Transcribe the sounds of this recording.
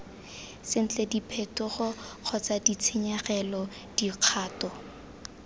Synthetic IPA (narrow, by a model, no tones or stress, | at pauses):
sɪn̩t͡ɬedipʰetʊχʊq͡χʰɔt͡sadit͡sʰɪɲaχɛlɔ | d̥iq͡χʰaːtɔ